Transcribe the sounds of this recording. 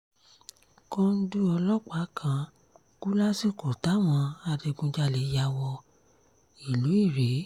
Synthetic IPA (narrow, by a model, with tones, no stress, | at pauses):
kɔ̃˧n̩˦du˦ɔ˧lɔ˦˨k͡pa˨˦kʰã˧ | ku˦la˦si˦ko˨ta˨˦˨w̃ɔ̃˧a˧de˧ɡũ˧d͡ʒa˧le˨˦ja˧˦wɔ˧ | i˨lu˨˦i˦˨ɾe˨˦